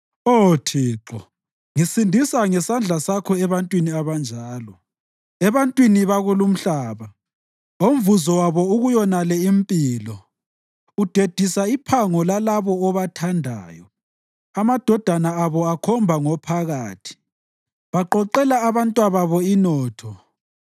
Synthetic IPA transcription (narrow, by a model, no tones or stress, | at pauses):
otʰiːǁɔ̰ | ŋisindʱisaŋɛsand͡ɮʱasakʰɔɛβantʼwiniaβand͡ʒʱaːlɔ | ɛβantʼwiniβaɣulum̩ɬaːβa | om̩vuzɔwaβɔuɣujɔnalɛimpʼilɔ | ud̥ʱed̥ʱisaipʰaŋɔlalaβɔːβatʰandʱa̰ːjɔ̰ | amad̥ʱɔd̥ʱanaaβɔakʰɔmbʱaŋɔpʰaɣaːtʰi̥ | βaǃɔǃɛlaːβantʼwaβaβɔinɔːtʰɔ